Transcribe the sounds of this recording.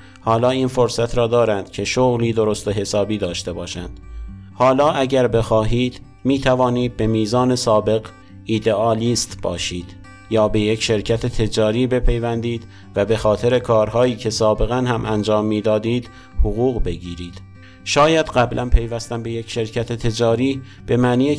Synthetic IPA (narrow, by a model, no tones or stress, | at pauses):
hɒːlɒːiːnfoɾsæt̪ʰɾɒːd̪ɒːɾænd̪̥cʲʰe̞ʃoɣliːd̪o̞ɾost̪oɦe̞sɒːbiːd̪ɒːʃt̪e̞bɒːʃænd̪̥hɒːlɒːʔæɟæɾbe̞xɒːɦiːd̪̥ | miːt̪ʰævɒːniːd̪̚be̞miːzɒːne̞sɒːbe̞ɣ | iːd̪e̞ɒːliːst̪b̥ɒ̰ːʃiːd̪̥ | jɒːbe̞je̞cʃe̞ɾcʰæt̪ʰet̪ʰe̞d͡ʒɒːɾiːbe̞pʰe̞jvænd̪iːd̪̥ | væbe̞xɒːt̪ʰe̞ɾe̞kʰɒːɾhɒːiːcʰe̞sɒːbe̞ɣænhæmʔænd͡ʒɒːmːiːd̪ɒːd̪iːd̪̥ | hoɣuːɣbe̞ɡiːɾiːd̪̥ | ʃɒːjæd̪ɢæblʔænpʰe̞jvæst̪æmbe̞je̞cʃe̞ɾcʰæt̪ʰe̞t̪ʰe̞d͡ʒɒːɾiː | b̥e̞mæniːe